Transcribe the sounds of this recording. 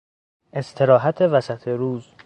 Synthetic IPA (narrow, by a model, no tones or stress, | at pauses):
ʔe̞st̪ʰe̞ɾɒːɦæt̪ʰe̞væsæt̪ʰeɾuːz